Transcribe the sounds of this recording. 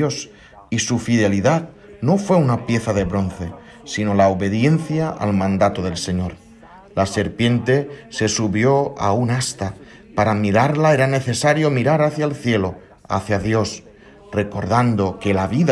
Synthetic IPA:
os | isufiðe̞liðað | no̞fwe̞unapje̞θaðe̞βɾo̞n̟θe̞ | sino̞laoβe̞ðje̞n̟θjaʔa̰lmãnd̪at̪oðe̞lse̞ɲo̞ɾ | lase̞ɾpje̞nt̪e̞se̞suβjo̞a̰unast̪a | paɾamiɾaɾlae̞ɾane̞θe̞saɾjo̞miɾaɾaθjaelθje̞lo̞ | a̰θjaðjo̞s | re̞ko̞ɾðand̪o̞kelaβið

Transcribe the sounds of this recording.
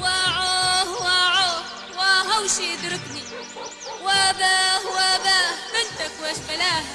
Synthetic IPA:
waʕohwaʕo | waɦawʃiɪd̪ɾɪkni | wabahwababɪnt̪akwaʃfalaːh

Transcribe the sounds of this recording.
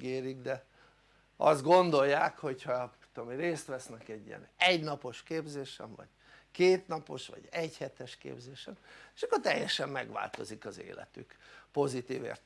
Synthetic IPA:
ɡeːɾiɡd̪ɛ | ɒzd̪ɡo̞nd̪o̞jːaːkho̞chɒ̥ | t̪ːomireːst̪ʋɛsnɛkɛɟːḭjɛ̰nɛɟnɒpo̞ʃkeːbzeːʃɛ̰mvɒ̰ɟ | keːt̪nɒpo̞̰ʃʋɒ̰ɟɛɟhɛt̪ɛʃkḛːbzeːʃɛme̥ʃɒkːort̪ɛjːɛʃɛmːɛɡʋa̰ːlt̪o̞zikɒzḛːlɛ̰t̪ykpo̞zit̪iːvḛːrt̪

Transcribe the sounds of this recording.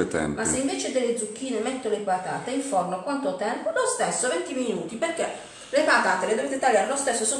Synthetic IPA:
et̪ɛ̰mmasːeiɱvɛːt͡ʃed̪elːed̪zuk̟ːiːnemɛt̪ːolepat̪a̰ːt̪eiɱfɔrnokwant̪ot̪ɛmpolost̪esːovɛnt̪iminuːt̪iperk̟ːe | lepat̪aːt̪eled̪oveːt̪̬et̪alːaːɾelost̪esːoso

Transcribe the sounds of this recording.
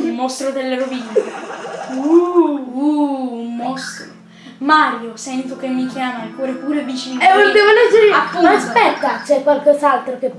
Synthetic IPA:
ummːɔst̪ɾod̪elːeɾovin | uuummɔst̪ɾo | maːɾjosɛnt̪okemːik̟jaːmaɛkːɔɾepuːɾevit͡ʃinɛod̪ɛːvolɛd͡ʒːeɾeatːoaaspɛt̪ːat͡ʃɛkːwalkɔzaalt̪ɾokep

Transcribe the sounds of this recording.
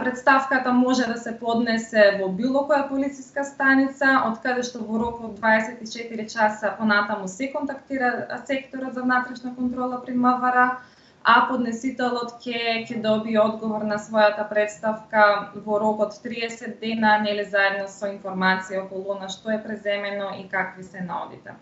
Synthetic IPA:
pɾɛt̪st̪afkat̪amɔʒɛd̪asɛpɔd̪nɛsɛvɔbilˠɔkɔjapolit̪siskast̪anit̪saot̪kad̪ɛʃt̪ɔvɔɾɔkɔd̪̚dːvaɛsɛt̪it͡ʃɛt̪iɾit͡ʃasapɔnat̪amusɛkɔnt̪akt̪iɾasɛkt̪ɔɾɔt̪zavnat̪ɾɛʃnakɔnt̪ɾɔlˠapɾiməvaɾa | apod̪nɛsit̪ɛlˠɔt̪cɛcɛd̪ɔbiɔd̪ɡɔvɔɾnasvɔjat̪apɾɛt̪st̪afkavɔɾɔkɔt̪ːɾiɛsɛd̪̚ːɛnanɛlizaɛd̪nɔsɔinfɔɾmat̪sijaɔkɔlˠuɔnaʃt̪ɔɛpɾɛzɛmɛnɔikakvisɛna̰ɔ̰d̪ḭt̪ɛ̰

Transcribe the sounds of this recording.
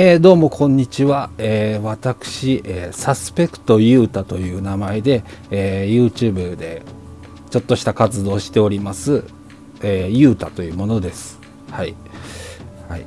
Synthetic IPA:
eːd̪o̞ːmo̞kʰõ̞ɲ̟ːit͡ɕiβaeːβat̪akɯ̟̥ɕiʔeːsasɨ̥pe̞kɯ̟̥t̪o̞jɯ̟ːt̪at̪o̞jɯ̟ːnamae̞d̪e̞ːjɯ̟ːt͡ɕɨːbɯ̟d̪e̞ | t͡ɕo̞t̪ːo̞ɕi̥t̪akat͡sɨd̪o̞ːɕi̥t̪e̞o̞ɾʲimasɨ | eːjɯ̟ːt̪a̰t̪o̞jɯ̟ːmo̞no̞d̪e̞sɨ̥ | hai | hai

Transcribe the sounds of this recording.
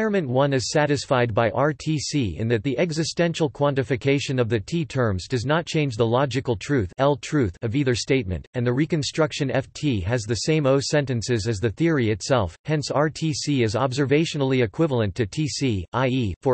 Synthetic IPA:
ɹmɨ̃nʔwʌ̃nɨz̥sæɾɨsfaɪd̚baɪʔɑɹtʰisiɨ̰̃nðɨt̪̚ðiʔɛɡzɨstɛ̃nʃl̩ˠkʰw̥ɑ̃ntɨfɨkʰeɪʃɨ̃nʌvðɨtʰitʰɜ̃˞mzdʌznət̚t͡ʃʰẽɪ̃nd͡ʒðəlɑd͡ʒɨkl̩ˠtʰɹ̥ʉθɛlˠtʰɹ̥ʉθʌviðə˞steɪt̚mɨ̰̃ntɨ̃nðɨɹikɨ̃nstɹ̥ʌkʃɨ̃nɛftʰiɨzðɨsẽɪ̃moʊsɛ̃ntɨ̃nsɨzɨzðɨθɪɹiɨtsɛlˠfhɛ̃nsɑɹtʰisiɨzɑbzə˞veɪʃɨnl̩ˠiɨkʰw̥ɪvl̩ˠə̃ntʰɨtʰisiʔaɪifə

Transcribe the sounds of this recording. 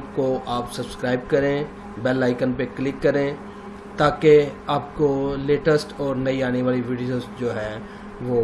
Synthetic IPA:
koʔaːpsɐbskɾaːɪbkɐɾẽ | bɛːlaːɪkənpeklɪkːɐɾẽ | t̪aːkeaːp̚koleːʈəsʈɔːɾnɐiaːneʋaːliʋiɖijoːzd͡ʒoːɦɛ̃ː | ʋo

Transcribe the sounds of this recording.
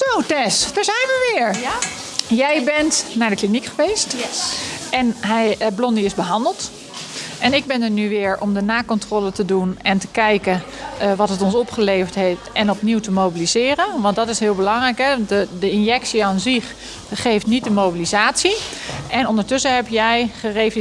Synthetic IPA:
sowtɛsd̥əɹzɛjnʋəʋɪːɹ | jɛjbɛntnaːɹdəklinikχəʋest | ʔɛnɦɛjblɔndiɪzbəɦɑndəlˠt | ʔɛnɪɡ̚bɪndənyʋɪːəɹɔmdənaːkɔntroːlətədunɛntə̥kɛjkə | ʋɑtɦətɔnsɔpχəlejvəɹtɦeftɛnɔpniwtəmowbilizɪːrənʋɑntdɑtɪsɦɪːlˠbəlɑŋrɛjkɦɛntdədəɪnjɛksiaːnziχ | χejftnit̚dəmowbilizaːtsiʔɛnɔndəɹtʏsəɦɛpjɛjχərejv

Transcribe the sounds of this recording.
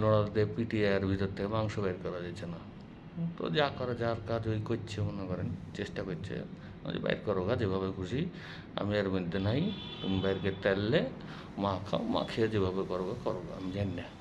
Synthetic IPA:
lɔɽ̃ɔld̪epiʈiaɾbʱit̪ɔt̪ʰːemaŋsɔbajɾkɔɾad͡ʒajt͡ʃʰena | t̪ɔ̰d͡ʒakɔɾad͡ʒaɾkad͡ʒoikɔt̪ːt͡ʃʰemonakɔɾɛnt͡ʃesʈakɔtt͡ʃʰḛ | md͡ʒḛba̰jɾkɔɾɔɡad͡ʒebʱabekʰusi | a̰miaɾmɔd̪ʱːenaɦĩt̪umbajɾket̪ɛlːe | makʰa̰ma̰kʰiad͡ʒebʱabekɔɾoɡakɔɾoɡa̰a̰mid͡ʒanːe

